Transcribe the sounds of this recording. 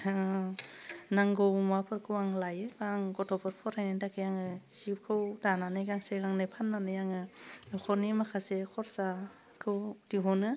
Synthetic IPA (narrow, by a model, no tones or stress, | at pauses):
naŋɡowmapʰɯɾkʰɯwaŋlajɯbaŋɡɔtʰɔpʰɯɾpʰɔɾhajnɯndakʰɯjaŋɯsip̚kʰɯwdananɯjɡaŋseɡaŋnɯpʰanːanɯjaŋɯkʰɔɾnimakʰasekʰɔɾsa | kʰɯwdiɦɔnɯ